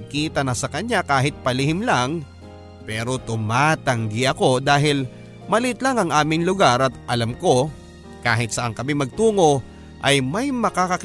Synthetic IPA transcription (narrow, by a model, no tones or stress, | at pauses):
kiːt̪ɐnɐsɐkɐɲakaːɦɪt̪̚pɐlɪhɪmlaŋ | pɛːɾo̞t̪ʊmaːt̪ɐŋɡɪʔɐko̞d̪aːɦɪl | mɐlɪt̪laŋɐŋʔaːmɪŋlʊɡaɾɐt̪ʔɐlɐmko̞ | kaːɦɪt̪sɐʔɐŋkɐmɪmɐɡ̚t̪uːŋo̞ | ʔɐjmɐjmɐkakɐk